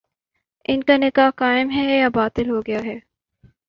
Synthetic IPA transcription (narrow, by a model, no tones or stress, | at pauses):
ɪnkanɪkaːkaːɪmɦɛjabaːt̪ɪlɦoːɡɐjaɦɛː